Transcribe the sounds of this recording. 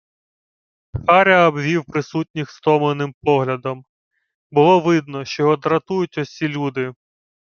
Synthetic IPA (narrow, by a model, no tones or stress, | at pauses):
xɑɾʲɐːbʋʲiwpɾɪsutʲnʲixst̪ɔmlenɪmpɔɦlʲɐd̪ɔm | bʊlˠɔʋɪd̪nɔʃt͡ʃɔɦɔd̪ɾɐt̪ujʊtʲɔsʲilʲud̪ɪ